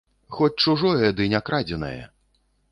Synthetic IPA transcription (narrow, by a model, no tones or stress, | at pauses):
xɔt͡sʲt͡ʂuʐɔjɛd̪ɨnʲakɾad͡zʲɛnɐ̰jɐ̰